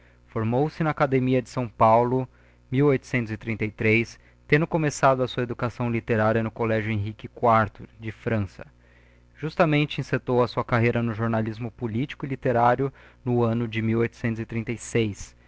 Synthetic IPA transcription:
foɾmowsɪnɐːkad̪emiɐd͡ʒɪsɐ̃w̃pawlʊ | miwojt̪ʊ̥sẽnt̪ʊzɪt̪ɾĩnt̪ɐjt̪ɾejs | t̪ẽnd̪ʊkomesad̪ʊɐsuɐed̪ukasɐ̃w̃lit̪eɾaɾjɐnʊkolɛʒʊẽɦikɪkwaɾt̪ʊd͡ʒɪfɾɐ̃sɐ̥ | ʒ̥ust̪ɐmẽnt͡ʃɪĩset̪owɐsuɐkaɦejɾɐnʊʒoɾnalizmʊpulit͡ʃi̥kʊɪlit̪eɾaɾjʊnʊɐ̃nʊd͡ʒɪmiwojt̪ʊ̥sẽnt̪ʊzɪt̪ɾĩnt̪ejsejs

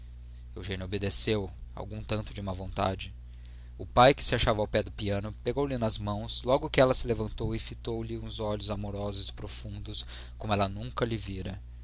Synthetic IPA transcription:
ewʒẽnobed̪esewa̰wɡũt̪ɐ̃nt̪ʊd͡ʒɪumɐvõnt̪a̰d͡ʒɪ | ʊpajkɪ̥sɪaʃavɐawpɛd̪ʊpiɐ̃nʊpeɡowlɪnɐzmɐ̃w̃slɔɡʊkɪɛlɐsɪlevɐ̃nt̪owɪfit̪owlɪũzɔʎʊzamoɾɔzʊzɪ̥pɾofũnd̪ʊs | kõmʊɛlɐnũŋkɐlɪviɾɐ

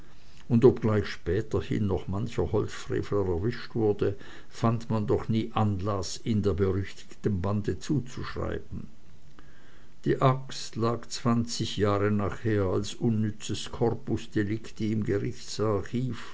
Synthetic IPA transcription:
ʊndopɡ̥laɪçʃpɛːtɐhɪ̰nːɔχmançɐhɔlt͡sfʁ̥ḛːfləʁɛɐvɪʃtv̥ʊɐdə | fantmandɔχniːʔanlasɪndeːɐbəʁʏçtɪ̥çtənbandət͡suːt͡suʃʁ̥a̰ɪbn̩ | d̥iːʔakstlaːɡt͡sv̥ant͡sɪçjaːʁənaːχheːɐalsʔʊnːʏt͡səskʰɔʁpʊsd̥elɪktəɪmɡəʁɪçt͡saçiːf

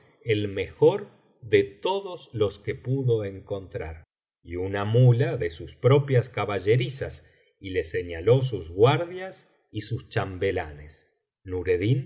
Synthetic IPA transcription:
elme̞xo̞ɾ | ðet̪o̞ðoslo̞ske̞puðo̞eŋko̞nt̪ɾaɾ | iunamulaðesuspɾo̞pjaskaβaʒe̞ɾisas | ile̞se̞ɲalo̞s̬uzɣwaɾðjas | isust͡ʃambe̞lanes | nuɾeðin

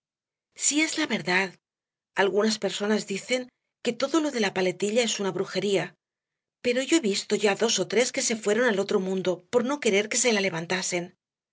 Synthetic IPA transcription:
sie̞zlaβe̞ɾðað | alɣunaspe̞ɾso̞nazðiθe̞ŋ | ke̞t̪o̞ðo̞lo̞ðe̞lapale̞t̪iʎae̞sunaβɾuxe̞ɾia | pe̞ɾo̞ʝo̞e̞βist̪o̞ʝaðo̞so̞t̪ɾe̞ske̞se̞fwe̞ɾo̞nalo̞t̪ɾo̞mũnd̪o̞po̞ɾno̞ke̞ɾe̞ɾke̞se̞lale̞β̞ant̪ase̞n

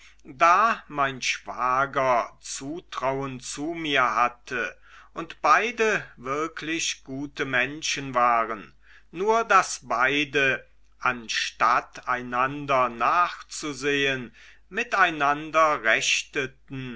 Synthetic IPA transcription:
daːmaɪnʃv̥aːɡɐt͡suːtʁ̥awənt͡suːmiːɐhatʰə | ʔʊntb̥aɪdəvɪɐkʰlɪçɡ̥uːtəmɛnʃən̩vaːʁənː | uːɐdasb̥aɪdə | ʔanʃtataɪnandɐnaːχt͡suzeːən | mɪtaɪnandɐʁɛçtətn̩

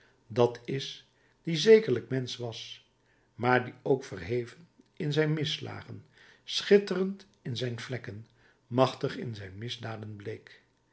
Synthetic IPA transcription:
dɑtʰɪs | d̥izejkəɹləkmɛnsʋɑs | maːɹdiowkfərɦejvən | ɪnzɛjnmɪsla̰ːχənsχɪtərənt | ɪnzɛjnvlɛkən | mɑχtəχɪ̰nzɛjnmɪzdaːdənblejk

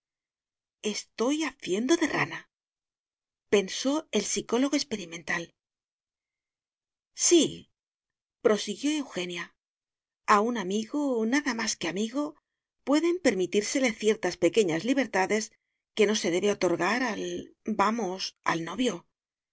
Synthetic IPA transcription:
e̞st̪o̞jaθje̞nd̪o̞ðe̞ra̰na | pe̞nso̞e̞lsiko̞lo̞ɣo̞e̞spe̞ɾimẽ̞nt̪al | si | pɾo̞siɣjo̞e̞wxe̞nja | aunamiɣonaðamaske̞amiɣo̞ | pwe̞ðempe̞ɾmit̪iɾse̞le̞θje̞ɾt̪aspe̞ke̞ɲazliβ̞e̞ɾt̪aðe̞s | ke̞no̞se̞ðe̞βeo̞t̪o̞ɾɣaɾalbamosa̰lno̞βjo̞

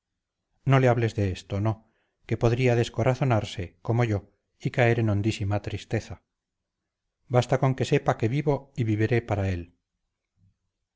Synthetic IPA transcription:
no̞leaβle̞zðeest̪ono̞ | ke̞po̞ðɾiaðe̞sko̞ɾaθo̞naɾse̞ko̞mo̞ʝo̞ | ikae̞ɾeno̞nd̪isimat̪ɾist̪e̞θa | bast̪ako̞ŋke̞se̞pake̞βiβo̞iβiβeɾe̞paɾae̞l

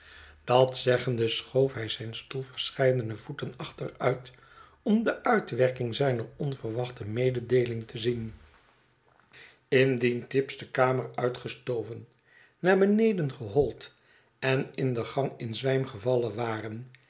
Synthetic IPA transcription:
d̥ɑtsɛχəndəsχowfɦɛjzɛjnstulˠvəɹsχɛjdənəv̥utənɑχtərœɥt | ɔmdəʔœɥtʋɛɹkɪŋzɛjnəɹɔnvərʋɑχtəmejdədejlɪŋtʰəzin | ɪndintɪpzdəkaːməɹœɥtχəstowvənː | aːɹbənejdənχəɦɔlˠt | ɛnɪndəχɑŋɪnzʋɛjmχəvɑləʋaːrən

